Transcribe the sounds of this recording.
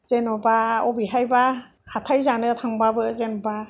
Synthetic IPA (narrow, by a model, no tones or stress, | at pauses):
z̥enɔbaɔbiɦajba | hatʰajzanɯtʰaŋbabɯzenɔba